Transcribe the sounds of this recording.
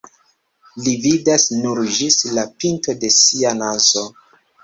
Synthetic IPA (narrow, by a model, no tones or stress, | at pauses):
lividasnuɾd͡ʒislapinto̞de̞sianazo